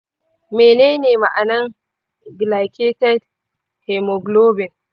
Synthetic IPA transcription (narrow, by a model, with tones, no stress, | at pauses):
meː˨neː˦neː˨ma̰˨ʔa˨nɐ˦ŋ | ɡla˨kʲe˦tɛ˦d | hɛ˨mɔ˨ɡloː˦bɛ˨n